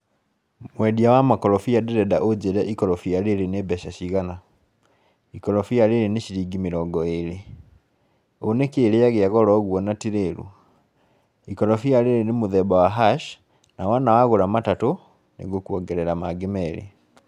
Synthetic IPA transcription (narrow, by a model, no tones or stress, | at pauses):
mwɛdiawamakɔɾɔfiadeɾɛdaʔod͡ʒeɾɛʔikɔɾɔfiaɾeɾenebɛɕaɕiɣana | ikɔlɔfiaɾeɾeneʃiɾiɡimeɾɔŋɡɔeɾe | onekeeːɾeaɣeaɣɔɾɔɣwɔnatiɾeɾṵ | ikɔɾɔfiaɾeɾenemoðɛbawaɦaʃ | nawanawaɣoɾamatato | nḛɣokuɔɡɛɾɛɾamaɡemɛɾḛ